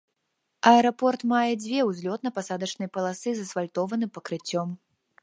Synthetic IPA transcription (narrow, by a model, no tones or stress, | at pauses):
ɐɛɾɐpɔrt̪majɛd͡zʲvʲɛwzʲlʲɔt̪̚nɐpasad̪ɐt͡ʂnɨjɛpɐlˠasɨzɐsfalʲt̪ɔvɐnɨpɐkɾɨt͡sʲːɔm